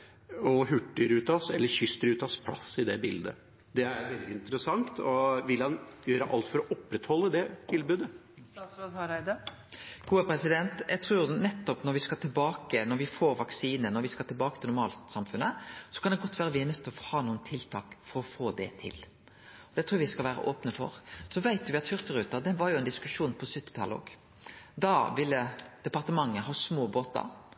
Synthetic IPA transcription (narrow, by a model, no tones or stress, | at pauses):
ɔɦʉʈːəɾʉːt̪ɑsɛlːəɾçʏst̪əɾʉːt̪ɑspʰlɑ̰sːɪd̪ɛbɪld̪ə̰ | d̪ɛæɾʋɛld̪ɪɪnt̪əɾəsɑŋt̪ʰɔʋɪlhɑnjøːɾəʔɑ̰lt̪fɔɾɔʔɔpːɾɛt̪hɔlːəd̪ɛt̪ʰɪlbʉːd̪ə | ɑsɾoɡ̪hɑɾæɪd̪ə | ɡ̥uːəpʰɾɛsɪd̪ɛnt̪jæɡt̪ʰɾuːɾnɛt̪ːɔpnɔɾʋɪskɑːʈʰɪlbɑːkənɔɾʋɪfoːɾʋɑksiːnənɔɾʋɪskɑt̪ɪlbɑːkət̪ɪlnʊɾmɑ̰ːlt̪sɑmfʉnːəsɔ̥kʰɑnd̪ɛɡɔt̪ːʋæːɾəʋɪænœt̪ʰːəɔfɔhɑːnuːənt̪ʰɪlt̪ʰɑːkfɔɾɔfoːd̪ɛ̰t̪ʰɪ̰l | ɔd̪ɛt̪ʰɾuːʋɪskɑlʋæːɾə̰ʔoːpnəfɔ̰ʁsɔʋæɪt̪ʋɪɑt̪hʏʁt̪əɾʉːt̪əd̪ɛʋɑɾjʊɛnd̪ɪskʉʂuːnpʰɔsʉt̪ːɪt̪ʰɑləo̰ːɡ | d̪ɑʋɪlːəd̪̥ɛpɑʁt̪əmɑŋːəɦɑːsmoːboːt̪ɑ̰ɾ